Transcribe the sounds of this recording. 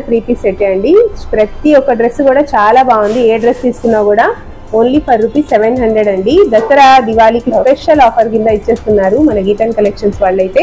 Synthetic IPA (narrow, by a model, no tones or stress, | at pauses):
pɾiːpiseʈːeɐɳɖipɾɐt̪iɔkːɐɖɾesːkuːɽaːt͡ʃaːlaːbaːɡund̪ieːɖɾest̪iːsu̥kunːaːkuːɽaː | oːnlipʰɐɾːupiseʋenɦɐɳɖ̪ɾeɖɐɳɖid̪ɐsɐɾɐd̪iʋaːlikipeʃɐlɔːpʰɐɾkind̪aːit͡ʃːe̞ːst̪unːaːɾumɐnɐɡiʈɐnkɐlekʂɐnsʋaːɭːɐjt̪e̞ː